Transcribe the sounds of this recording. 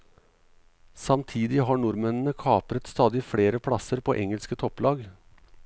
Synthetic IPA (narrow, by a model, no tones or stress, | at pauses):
sɑmt̪ʰiːd̪ɪɦɑːɳʊɾmɛnn̩əkʰɑːpɾət̪st̪ɑːd̪ɪfɽeːɾəpʰɽɑsəɾpʰoːʔɛŋəlskət̪ʰɔplɑːɡ